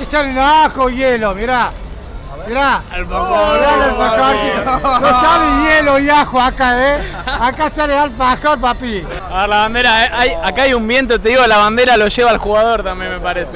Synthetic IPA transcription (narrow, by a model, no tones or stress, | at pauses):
isalenaxojelomiɾa | miɾalpajalelpakasilosaβejelojaxoakae | akasalealpaxalp̬api | elaβand̪eɾaeʔajakaajumbje̞nt̪̬ot̪̬eðiɣolaβand̪eɾaloʃe̞βaːlxuɣaðo̞ɾt̪ambjemepaɾese